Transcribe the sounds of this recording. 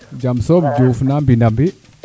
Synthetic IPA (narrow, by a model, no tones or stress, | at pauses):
d͡ʒamsomd͡ʒufnambindambi